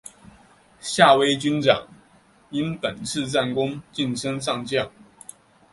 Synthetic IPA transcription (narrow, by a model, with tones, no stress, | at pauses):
ɕja˥˩we˥ɪt͡ɕy˥nʈ͡ʂɑ̰˨˩˦ŋ | i˥npə˨˩nt͡sʰɹ̩˥˧t͡sa˥˩nkʊ˥ŋt͡ɕi˥˩nʂə˥ŋʂɑ˥˧ŋt͡ɕjɑ˥˩ŋ